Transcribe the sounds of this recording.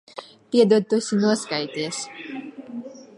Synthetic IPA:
piɛd̪uːt̪ːusʲinuɔskajt̪iːs

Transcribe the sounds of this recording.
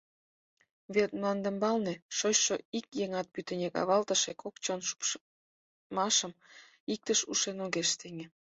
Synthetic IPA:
βet̪̚mlɑnd̪ə̆mbɑlneʃojʃoikjeŋɑt̪̚pyt̪ə̆nʲekɑ̰βɑlt̪əʃekʰokt͡ɕonʃu̥p | mɑʃəm | ik̚t̪əʃuʃenoɣeʃt̪eŋe

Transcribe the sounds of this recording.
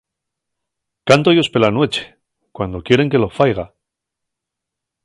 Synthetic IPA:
kant̪ojo̞spe̞lanwe̞t͡ʃe̥ | kwand̪o̞kje̞ɾe̞ŋkelo̞fajɣ̞a

